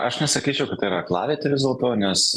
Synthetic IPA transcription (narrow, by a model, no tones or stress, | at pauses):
ʔɐʃnʲɛsɐkʲiːt͡ʃʲɛʊkɐt̪t̪ːɐɪiɾɐklˠɑ̰ːʋʲeːt̪ʲɪʋʲɪzʲʊlˠt̪oːnʲɛs